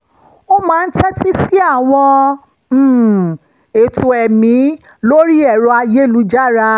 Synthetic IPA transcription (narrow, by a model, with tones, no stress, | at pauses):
o˦mãː˨˦n̩˦tɛ˦ti˦si˦a˦˨w̃ɔ̃˧˨ | e˨tʰo˨ɛ˨mĩ˨˦ | lo˦ɾi˦ɛ˨ɾɔ˧a˧je˦˨lu˧˦d͡ʒa˦˨ɾa˧